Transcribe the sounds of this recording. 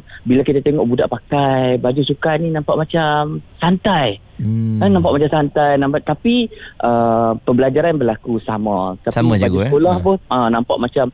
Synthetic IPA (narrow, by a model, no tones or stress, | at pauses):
bilakit̪at̪eŋɔʔbuda̰ʔpakajbad͡ʒusukaʔninãmpaʔmat͡ʃamsant̪aj | kannãmpaʔ̚mat͡ʃamsant̪ajnampaʔt̪apiʔəpəbəlad͡ʒaɾanbəlakusa̰mãt̪aibad͡ʒukolahpʊʔə̃nãmpa̰ʔmat͡ʃam